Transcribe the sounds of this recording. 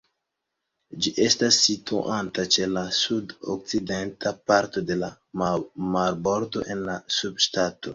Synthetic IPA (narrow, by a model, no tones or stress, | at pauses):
d͡ʒiʔe̞stasːitṵʔantat͡ʃe̞lasudo̰k̚t͡side̞ntʰapaɾto̞de̞la | maɾbo̞ɾdo̞̰ʔe̞nlasubʃtato̞